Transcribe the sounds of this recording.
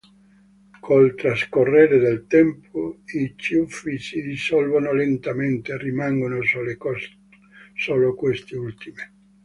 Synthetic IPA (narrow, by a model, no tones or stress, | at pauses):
kʰolt̪ɾaskorːeːɾed̪elt̪ɛmpʰoit͡ʃiufisid̪isɔlvanolent̪ament̪erimaŋɡonosle | soːlokwest̪iult̪ime